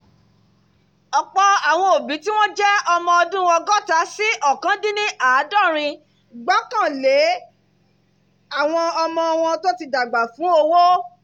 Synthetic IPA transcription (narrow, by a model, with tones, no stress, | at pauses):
ɔ˨k͡pɔ˧a˨w̃ɔ̃˧o˨bĩ˨˦ti˦w̃ɔ̃˦d͡ʒɛ˦ɔ˧mɔ̃˧ɔ˧dũ˦wɔ̃˧ɡɔ˦ta˧˦si˦ʔɔ˦˨kã˨˦dĩ˦nĩ˦ʔaː˦˨˦dɔ˦˨ɾ̃ĩ˧ | ɡ͡bɔ˦kã˦˨le˨˦ | a˦˨w̃ɔ̃˧ɔ˧mɔ̃˧w̃ɔ̃˧to˦ti˧da˨ɡ͡ba˨fũ˨˦o˧wo˦